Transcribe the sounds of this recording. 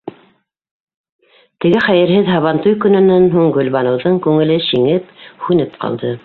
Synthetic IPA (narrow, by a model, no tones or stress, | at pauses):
t̪ɘ̆ɡɘχæjɘ̆ɾɦɘðɦɑβɑnt̪ujkɵ̆nɵ̆nænɦuɴɡɵ̆lβɑnɤ̆wðɤŋkʉŋɘ̆lɘʃiŋɘphʉnɘpqɑ̰lˠd̪ɤ